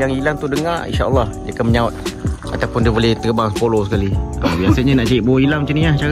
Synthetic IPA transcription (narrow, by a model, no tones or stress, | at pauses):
jaŋilaŋt̪udəŋa̰rḭnʃaə̰lːɑhdiakanməɲaʊt̪̚a̰t̪awpʊndiəbolɛht̪ərbaŋsə̥polosə̥kaliəbiasaɲanaʔt͡ʃaiʔ̚bowilaŋmət͡ʃaniaht͡ʃa